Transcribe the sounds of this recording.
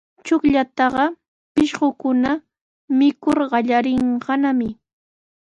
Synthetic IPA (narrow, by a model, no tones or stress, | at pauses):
t͡ʃʊkʎat̪ɑɢɑ | pɪʃɢʊkʊna | mɪkʊɾɢɑʎaɾɪɴɢɑnamɪ